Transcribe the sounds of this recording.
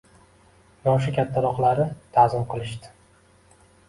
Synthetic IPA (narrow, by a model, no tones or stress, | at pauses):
jɒʃ̬ʊkʲʰat̪ʰːaɾɒqlaɾɪt̪ʰazɪmqʰɨlˠɪʃt̪ɪ̥